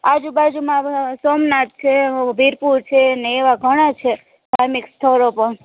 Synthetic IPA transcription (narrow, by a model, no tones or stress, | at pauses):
ad͡ʒubad͡ʒumãsomnat̪̚t͡ʃʰebʱiɾpuɾt͡ʃʰeneːʋaɡʱəɽ̃at͡ʃʰe | bʱaɾmikst̪ʰəɾopəɳ